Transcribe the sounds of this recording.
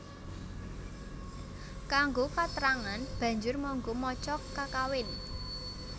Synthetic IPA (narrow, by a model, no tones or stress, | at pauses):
kaŋɡokat̪əɾaŋanb̥ä̤ɲd͡ʒʊrmɔŋɡomɔt͡ʃɔkːakawɪn